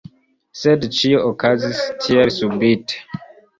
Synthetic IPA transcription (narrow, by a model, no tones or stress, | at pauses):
sɛdʃiɔkʰazistʰiəsubit